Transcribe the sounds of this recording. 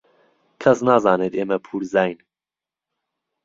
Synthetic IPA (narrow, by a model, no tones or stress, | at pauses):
kʰɐsnaːzɑːneːt̪eːmɛpʰuːɾzaːjn